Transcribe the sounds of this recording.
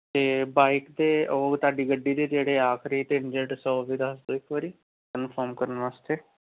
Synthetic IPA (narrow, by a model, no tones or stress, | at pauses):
t̪eːbaːikd̪eːoːt̪aːɖiːɡəɖːiːd̪eːd͡ʒeːɽeːaːkʰɾiːt̪end͡ʒeʈsɔːʋiːd̪əsd̪oːɪkʋəɾiː | kənpʰɔːɾmkəɾənʋaːst̪eː